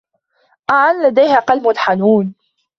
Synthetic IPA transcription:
ʔaʕanlad̪ajhaqalbwalħanuːn

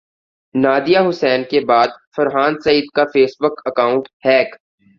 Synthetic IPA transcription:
naːd̪ijaɦʊsɛːnkebaːd̪fɐɾɦaːnsɐiːd̪kafeːsbʊkɐkaːʊ̃ɳʈhɛːk

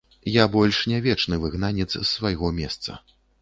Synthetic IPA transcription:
jabɔlʲʂnʲavʲɛt͡ʂnɨvɨɣnanʲɛt̪ssːvajɣɔmʲɛst̪sɐ̰

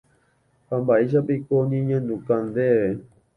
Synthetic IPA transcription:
pambaiʃ̬apikoɲĩɲãnd̪ũkand̪eβe

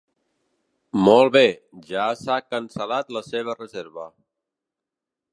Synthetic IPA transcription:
mɔlˠβe | ʒasakənsəlat̪ləseβ̞ərəzeɾβə

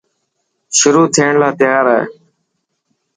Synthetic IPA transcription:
ʃʊɾuːt̪ʰiːɳlaːt̪ɪjaːɾaḛ

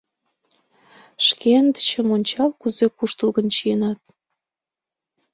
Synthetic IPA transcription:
ʃkend̪ə̥t͡ɕəmonʲt͡ɕɑlkuzekuʃt̪əlɣənt͡ɕijənɑt̪̚

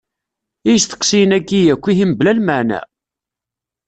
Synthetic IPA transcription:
ijəsθə̥qsijənækːijækʷːiɦimblælməʕnæ̰

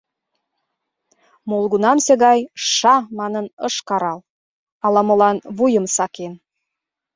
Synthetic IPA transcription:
molˠɣunɑmseɣɑjʃɑmɑnənəʃkɑɾɑl | ɑlɑmolɑnβujəmsɑken

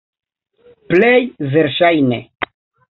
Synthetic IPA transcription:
plejveɾʃajnḛ

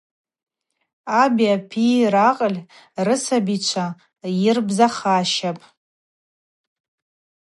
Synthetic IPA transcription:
abiapʰiraqʼəlʲ | rɨsabit͡ʃʷʰa | jɪrbzaχaːʃapʼ

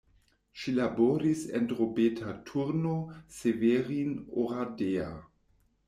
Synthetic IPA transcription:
ʃilaboɾisḛndʁobetʰatʰuɾnoseveɾinoʁadea

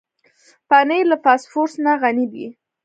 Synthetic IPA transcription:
panejlapɑsfoɾsnaɣanibḭ

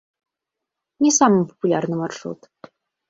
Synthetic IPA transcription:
nʲesaməmpo̥pulʲarnə̆marʂṵt̪

